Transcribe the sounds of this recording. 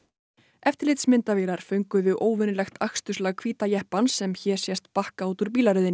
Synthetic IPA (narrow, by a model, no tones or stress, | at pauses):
ɛft̪ɪɾlɪt̪smɪnt̪avɛːɾaɾ̥fʏŋkʏðʏʔoːwvʏnʏlɛxt̪ʰakst̪ʏslaɣkʰviːt̪ajɛhpansɛmçɛɾ̥sjɛst̪pahkaawt̪ʏɾ̥piːlaɾʏðɪn